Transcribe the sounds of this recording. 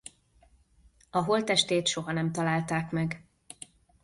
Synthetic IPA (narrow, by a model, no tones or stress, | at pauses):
ɒɦo̞lt̪ɛʃt̪eːt̪ʃo̞ɦɒnɛmt̪ɒlaːlt̪aːkmɛɡ